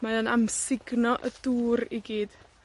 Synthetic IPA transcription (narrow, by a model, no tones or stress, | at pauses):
maanamsɪɡnɔʔəd̥uːriɡiːd̥